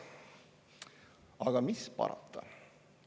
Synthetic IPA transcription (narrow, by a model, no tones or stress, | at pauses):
ɑɡ̥ɑmispɑ̰ɾɑ̰t̪ːˑɑ